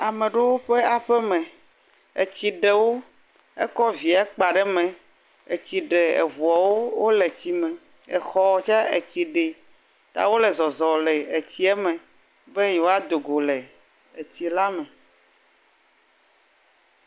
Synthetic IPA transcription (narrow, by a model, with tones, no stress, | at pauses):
a˨mẽ˨ɖe˦wo˦ɸe˦a˨ɸɛ˦mɛ̃˨ | ḛ˨t͡ɕi˨ɖe˨wo˦ | ɛ̰˦kɔ˦vi˨a˨˦k͡pa˨ɖɛ˦mɛ̃˨ | e˨t͡ɕi˨ɖe˨ɛ̰˨ɦu˨a˨wo˦wo˦le˨t͡ɕi˨mɛ̃˨ | ɛ˨xɔ˦˨t͡ʃa˦e˨t͡ɕi˨ɖe˨ | t̪a̰˨wo˦le˨zɔ˨zɔ˨le˨e˨t͡ɕi˦ɛ˦mɛ̃˨ | bɛ˦jo˦a˦d̪o˨ɡo˨lɛ˨ | e˨t͡ɕi˨la˦mɛ̃˨